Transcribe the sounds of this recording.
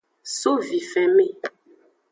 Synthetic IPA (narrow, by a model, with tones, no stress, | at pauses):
so˦vi˨fɛ˨me˦˨